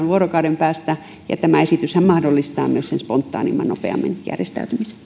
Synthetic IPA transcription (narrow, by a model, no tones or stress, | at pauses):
ʋʋuorokɑudempæːst̪æ | jɑ̰t̪æmæesit̪yshæmmɑhdolːist̪ɑːmyøssenspont̪ːɑ̰ːnimːɑno̰pḛɑ̰mːḛnjæ̰rjest̪æ̰yt̪ymise̥n